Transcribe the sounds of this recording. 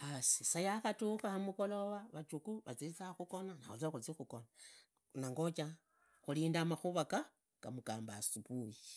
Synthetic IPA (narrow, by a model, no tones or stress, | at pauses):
asisajaxatukahamukoloβaβat͡ʃukuβat͡sit͡saxuko̞nanaut͡saxut͡sixukona | naŋɡot͡ʃa | xuliːndamaxuβaka | ɡ̥amukaːmbasupuji